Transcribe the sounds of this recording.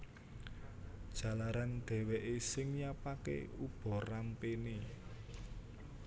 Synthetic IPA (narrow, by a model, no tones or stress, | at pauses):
d̥ʒ̥a̤laɾanɖ̪̥ɛ̤weʔesɪŋjapakḛub̥ɔ̤rampeni